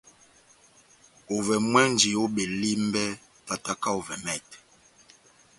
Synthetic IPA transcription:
o˨vɛ˨mwɛ˦n˨˦d͡ʒi˨o˦ɓe˨li˦m˦bɛ˦ | ta˨ta˦ka˦o˨vɛ˨mɛ˦˨t

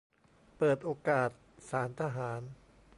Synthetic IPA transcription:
pɤː˨˩t̪̚ʔoː˧kaː˨˩t̪̚saː˩˦nt̪ʰa˧ɦaː˩˦n

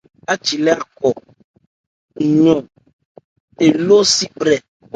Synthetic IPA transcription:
a˦t͡ʃi˨lɛ˦a˨kɔ˨ | ɲɔ̃˨ | e˨lo˦si˦k͡pɾɛ˨

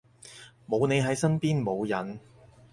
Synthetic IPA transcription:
mo˨˧wne˨˧jɦɐ˨˥jsɐ˥npiː˥nmo˨˧wjɐ˨n

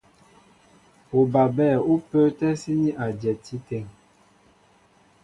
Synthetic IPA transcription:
o˨ba˨bɛː˦˨u˦pəː˦tɛ˦si˦ni˦ʔa˨d͡ʒɛ˨ti˦tɛ˨˦ŋ

